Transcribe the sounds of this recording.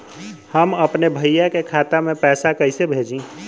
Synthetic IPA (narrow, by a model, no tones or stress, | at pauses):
həməpnebʱəjjakekʰaːt̪amẽpɛːsakəɪsebʱeːd͡ʒĩ